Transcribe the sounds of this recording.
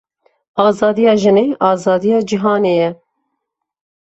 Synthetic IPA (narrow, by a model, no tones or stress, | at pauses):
ɑːzɑːd̪ijɑːʒɨneːʔɑːzɑːd̪ijɑːd͡ʒiɦɑːneːjɛ